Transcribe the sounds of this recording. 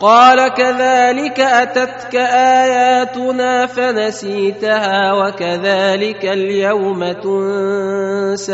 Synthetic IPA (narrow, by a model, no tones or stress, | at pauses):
qɑːlakaðaːlɪkaʔat̪at̪kaʔaːjaːt̪ʊnaːfanasiːt̪ahaːwakaðaːlɪkaljawmat̪ʊn | sa